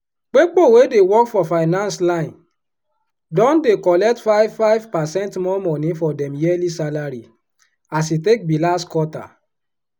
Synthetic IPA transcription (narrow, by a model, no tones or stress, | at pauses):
k͡pek͡powedewɔkfɔfaɪnãnslãɪ̃n | dɔ̃ndekɔlɛk̚tfaɪvfaɪvpasɛ̃ntmɔmɔ̃nĩfɔdɛ̃mjɛlisalaɾi | as̬itek̚bilaskwɔta̰